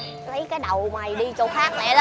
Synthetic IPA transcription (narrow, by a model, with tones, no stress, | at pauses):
t̪ʰə˨˦jkaː˨˦jɗə˨˩wmaː˨˩jɗi˧t͡ɕɔ˧xaː˦˥k̚nɛ̰˧˨l